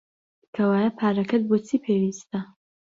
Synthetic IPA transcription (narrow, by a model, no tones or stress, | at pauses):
kʰɐwaːjɐpʰaːɾɐkɐd̪̚boːt͡sʰiːpʰeːwiːst̪ɐ